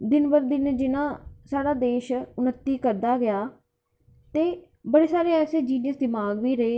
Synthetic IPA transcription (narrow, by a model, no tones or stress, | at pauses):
d̪ɪnbəɾd̪ɪnd͡ʒɪnãːsaːɽaːd̪eːʃʊnət̪ːiːkəɾd̪aːɡɪjaː | t̪eː | bəɽeːsaːɾeːɛːseːd͡ʒiːnjəsd̪ɪmaːɡʋiːɾəeː